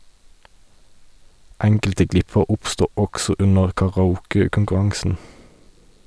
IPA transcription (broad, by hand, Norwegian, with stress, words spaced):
ˈɛŋkəltə ˈɡlɪpəʁ ˈʊpˌstuː ˈɔɡsɔ ˈʉnəʁ kɑʁɑˈuːkəkʊŋkʉˌʁɑŋsn̩